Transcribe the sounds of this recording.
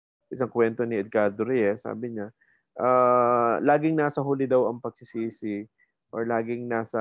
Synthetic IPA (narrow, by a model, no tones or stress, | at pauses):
ʔɪsɐŋkwɛnt̪o̞nɪɛd̪̚kaːd̪oɾɪjɛsa̰ːbɪɲa | ʔaːlaːɡɪŋnaːsɐɦulɪd̪ɐwɐŋpɐɡ̥̚sɪsiːsɪ | ʔoɹlaːɡɪŋnaːsɐ